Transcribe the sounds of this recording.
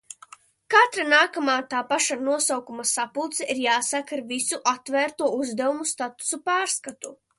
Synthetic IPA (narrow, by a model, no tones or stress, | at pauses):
kat̪ɾanaːkamaːt̪aːpaʃanuɔsawkumasapulˠt̪sɛʔiɾjaːsakaɾvisuʔat̪væːɾt̪uɔuzd̪ɛwumust̪at̪u̥supaːɾskat̪u